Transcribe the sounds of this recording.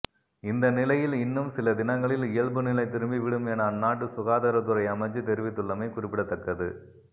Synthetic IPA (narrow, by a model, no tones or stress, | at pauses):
ɪnd̪ɐnɪlɐjɪlɪnːɯmsɪlɐd̪ɪnɐŋɡɐɭɪlɪjɐɭbɯnɪlɐɪt̪ːɪɾɯmbiʋɪɽɯmɛnɐnːaːʈ̬ːɯsʊɣaːðɐɾɐt̪ːɯɾɐɪɐmɐt͡ʃːɯt̪ɛɾɪʋɪt̪ːɯɭːɐmɐɪkʊrɪpːɪɽɐt̪ːɐkːɐðɯ